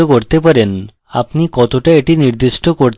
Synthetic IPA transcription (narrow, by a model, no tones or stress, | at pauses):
okoɾt̪epaɾen | apnikɔt̪oʈaeʈiniɾd̪isʈɔkoɾt̪